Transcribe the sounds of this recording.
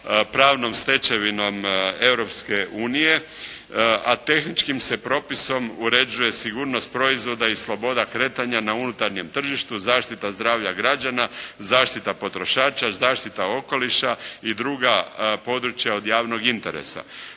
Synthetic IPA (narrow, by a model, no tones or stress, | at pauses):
pɾaːʋno̞mst̪e̞t͡ʃe̞ʋino̞me̞wɾo̞pskeʔuːnije̞ | at̪e̞xnit͡ʃkimse̞pɾo̞piso̞muɾe̞d͡ʒuje̞siɡuːɾno̞st̪̚pɾo̞izʋo̞d̪aislˠo̞bo̞d̪akɾe̞ːt̪aɲanaunut̪aɾɲe̞mt̪r̩ʒiʃt̪uzaːʃt̪it̪azd̪ɾaːʋʎaɡɾad͡ʒanazaːʃt̪it̪apo̞t̪ɾo̞ʃaːt͡ʃazaːʃt̪it̪ao̞ko̞liʃaid̪ɾuɡapo̞d̪ɾut͡ʃjao̞d̪jaːʋno̞ɡint̪e̞̰ɾḛsa̰